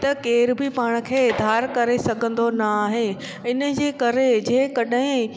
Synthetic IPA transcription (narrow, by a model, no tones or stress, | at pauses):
t̪ɐkeːɾbɪpaːɽ̃̆kʰeːɪd̪ʱaːɾkɐɾesɐɡʱə̃n̆d̪onɐaːɦe | ɪnə̆d͡ʑeːkɐɾed͡ʑeːkɐɗaɦɪ̃